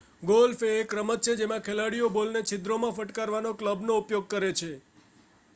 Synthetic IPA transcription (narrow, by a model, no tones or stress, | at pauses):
ɡolfeːkɾəmət̪̚t͡ʃʰed͡ʒemãkʰelaɽijobolnet͡ʃʰɪd̪ɾomãfəʈkaɾʋanokləbnoupjoɡ̚kəɾet͡ʃʰe